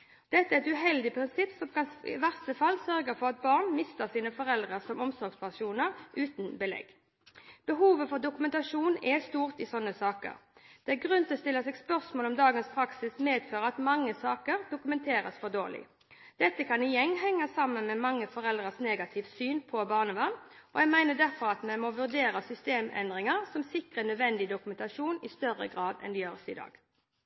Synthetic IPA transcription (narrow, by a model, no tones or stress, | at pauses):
d̪̥ɛt̪ːəæɛɛt̪ʉɦɛld̪ɪpʰʁɪnsɪpːsɔmkɑnɪ̰ʋæʁst̪əfɑlːsœʁɡəfɔʁɑt̪̚bɑːʁnmɪst̪əsiːnəfɔɾɛld̪ʁəsɔmɔmsɔɾɡspæʂuːnəʁʔʉːt̪n̩bəlɛ̰ɡ | b̥əɦuːʋəfɔʁd̪ʊkʉmɛnt̪ɑʂuːnɛst̪uːʁt̪ɪsɔnːəsɑːkə̰ʁd̪̥ɛæɡʁʉnt̪ʰɔst̪ɪlːəsɛːɡspœʁsmoːlɔmd̪ɑːɡənspʰɾɑksɪsmeːd̪føːʁəɑt̪mɑŋːəsɑːkəʁd̪ʊkʉmɛnt̪ʰeːɾə̰sfɔd̪oːʁlɪ̰ | d̪̥ɛt̪ːəkʰɑnɪjɛŋːɦɛŋːəsɑmːənmɛmɑŋːəfɔʁɛld̪ʁəsneːɡɑt̪ʰɪʋsyːnpʰɔbɑːʁnəʋɑʁn | ʔɔjæɪmæɪnəd̪æʁfɔɾɑt̪mɛnmɔʋʉʁd̪eːɾəsʏst̪eːmɛ̰nd̪ʁɪŋəʁsɔmsɪkʁəɛnœd̪ʋɛnd̪ɪd̪ʊkʉmɛnt̪ɑʂuːnɪst̪œrə̰ɡʁɑːd̪ɛ̰nd̪ɛjøːʁəsɪd̪ɑ̰ːɡ̥